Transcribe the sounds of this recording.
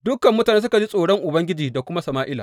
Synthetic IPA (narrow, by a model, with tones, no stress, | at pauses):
dʊ˦kɐ˨mːʊ˦taː˨neː˦s̬ʊ˦ka˨d͡ʒi˦sʼoː˨ɽɔ˦ŋʔʊ˨bɐ˦ŋɡʲɪ˦d͡ʒiː˨da˨kʷʊ˦ma˦sɐ˨maː˦ʔɪ˦la̰˨